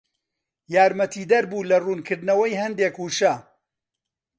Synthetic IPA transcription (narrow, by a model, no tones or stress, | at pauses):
jaːɾmɐt̪ʰiːd̪ɐɾbuːlɐruːnkʰɨɾd̪nɐwɐjɦɐnd̪eːkhuːʃɐ